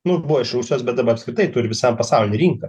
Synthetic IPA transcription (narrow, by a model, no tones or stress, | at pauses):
nʊʊbuʋɔɪʃɾuːsʲjoːsbʲɛt̪̚d̪ɐbɐɐpskɾʲɪt̪ɐɪt̪ʊɾʲɪʋʲɪsɐmpɐsɐʊlʲɪnʲɪɾʲiːŋkɐ